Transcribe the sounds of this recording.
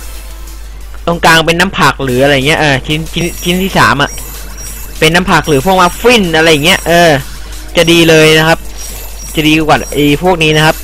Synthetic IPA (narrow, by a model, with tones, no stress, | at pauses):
t̪o˧ŋkaː˧ŋpe˧nːaː˦˥mpʰaː˨˩k̚lɯː˩˦a˧ɾa˧jŋi˦˥ɐʔɤː˧˩t͡ɕʰi˦˥nt͡ɕʰi˦˥˦t͡ɕʰi˦˥nt̪ʰiː˥˩sa̰ː˩˦mʔa˨˩ʔ | pe˧nːa˦˥mpʰaː˨˩k̚lɯː˩˦pʰu˥˩k̚maː˦˥fi˥˩nʔa˧ɾa˧˥jːa˨˩ŋːi˦˥ɐʔɤː˧ | t͡ɕa˨˩diː˧lɤː˧jna˦˥kʰa˦˥p̚ | t͡ɕa˨˩diː˧kwaː˨˩ʔe˧˩pʰu˥˩ək̚niː˦˥na˦˥kʰa˦˥p̚